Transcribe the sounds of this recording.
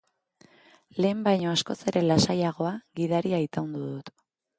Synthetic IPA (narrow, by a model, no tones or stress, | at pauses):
le̞ːmbajɲo̞asko̞se̞ɾe̞lasajaɣ̞o̞aɣiðaɾiajt̪awnd̪uðut̪